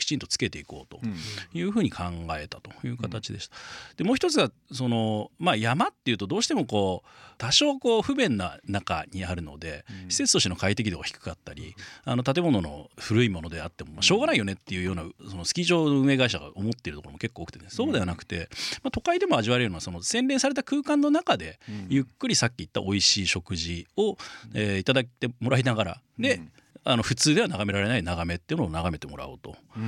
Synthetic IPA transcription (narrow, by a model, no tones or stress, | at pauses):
kʲi̥t͡ɕĩnt̪o̞t͡sɨ̥ke̞t̪e̞iko̞ːt̪o̞̥jɯ̟ːɸɯ̟ːɲ̟ikʰãŋɡae̞t̪at̪o̞̥jɯ̟ːkat̪at͡ɕid̪e̞ɕi̥t̪ḁd̪̥emoːçi̥t̪o̞t͡sɨɡaso̞no̞majamat̪ːe̞jɯ̟ːt̪o̞d̪o̞ːɕi̥t̪e̞mo̞ko̞ːt̪aɕo̞ːkoːɸɯ̟bẽ̞nːanaka̰ɲiaɾɯ̟no̞̰d̪e̞çi̥se̞t͡sɨ̥oɕt̪eno̞kait̪e̞kʲid̪e̞ɡaçʲi̥kɯ̥kat̪ːaɾʲḭa̰no̞t̪at̪̬e̞mo̞no̞no̞̰ɸɯ̟ɾɯ̟imo̞no̞d̪e̞at̪ːe̞mo̞maɕo̞ːɡanaijo̞ne̞t̪ːe̞jɯ̟ːjo̞ːnasono̞sɨ̥kʲiʑo̞ːno̞ɯ̟̃e̞ɡaiɕaɡa̰ʔo̞mo̞t̪ːeɾɯ̟t̪okoɾomke̞kːoːkɯ̟̥t̪so̞ːd̪e̞βanakɯ̟̥t̪e̞mat̪o̞kaid̪e̞mo̞aʑiβaɾeɾɯnaso̞no̞sẽ̞nɾẽ̞saɾe̞t̪akɯ̟ːkãnːonakad̪e̞jɯ̟kːɯ̟ɾʲisakʲːiit̪ːa̰ʔo̞iɕiːɕo̞kɯ̟ʑio̞eit̪ad̪at̪e̞mo̞ɾainaɡaɾa̰d̪e̞ | ano̞ɸɯ̟t͡sɨːd̪e̞βanaɡame̞ɾaɾe̞nainaɡame̞t̪ːeɯ̟noːnaɣame̞t̪e̞mo̞ɾa̰o̰ːt̪o̞̰